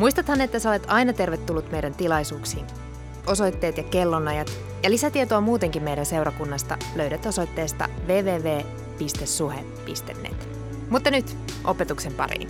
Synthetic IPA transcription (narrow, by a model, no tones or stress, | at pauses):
muist̪ɑt̪hɑnːet̪ːæseole̞t̪ɑjnɑt̪e̞rʋet̪ːulːut̪me̞jdænt̪ilɑjsuːksiːn | o̞so̞jt̪ːe̞ːt̪jɑke̞lːo̞nɑjɑt̪ | jɑlisæt̪iet̪oɑmuːt̪e̞ŋkimme̞jdænse̞wɾɑkunːɑst̪ɑ̰løɥɾæt̪o̞so̞jt̪ːe̞ːst̪ɑ̰ʋe̞ːʋe̞ːʋe̞ː | pist̪esːuhḛmpḭst̪enːḛt̪ | mut̪ːɑnyt̪ | ʔo̞pe̞t̪ukse̞mpɑ̰ɾḭːn